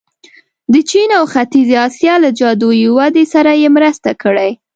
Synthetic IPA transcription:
d̪ət͡ʃinawxat̪izeɑsjɑlad͡ʒɑd̪ojiwad̪esaɾajemɾəst̪akəɽaj

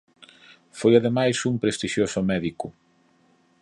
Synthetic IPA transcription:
fojaðemajsumpɾest̪iʃjosʊmɛðikʊ

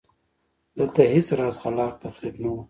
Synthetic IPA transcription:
d̪̥əlt̪ahet͡sɾɑːzxalɑːq̚t̪afɾibnawu

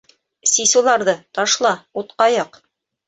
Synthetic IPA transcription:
sisulˠɑɾðɤt̪ɑʃlˠɑut̪qɑjɑq

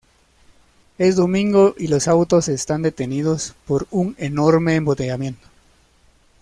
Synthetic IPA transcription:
e̞sd̪o̞mĩŋɡo̞ʔilo̞sawt̪ose̞st̪and̪e̞t̪e̞niðospo̞ɾuŋenoɾmeːmbot̪eʝamjẽ̞nt̪o̥

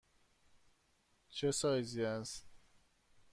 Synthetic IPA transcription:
t͡ʃʰesɒːjziæns

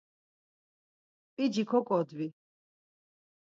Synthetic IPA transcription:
pʼid͡ʒikʰɔkʼɔd̪vi

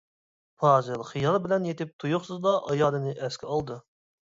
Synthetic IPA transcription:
pʰɑːzɨlˠχijɑlˠbɪlɛnjet̪ɪp̚t̪ʰujʊχsɨzd̪ɑʔɑjɑːlˠɨnɨʔɛskʲɪɑlˠd̪ɨ

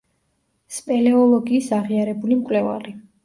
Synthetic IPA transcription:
spʼɛlɛɔlˠɔɡiːsaʁiaɾɛbulimkʼlɛva̰li

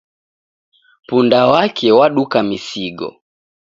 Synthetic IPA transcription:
pundawakʰɛwaɗukamisiɡɔ̰

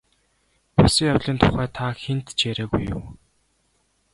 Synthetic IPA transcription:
pʊsĭŋjawɮiːnt̪ʰʊχæːt̪ʰaxent̪t͡ɕeɾeːɣujːʊ̰ː

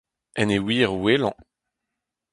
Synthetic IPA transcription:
ɛnewiːʁwelɑ̰̃

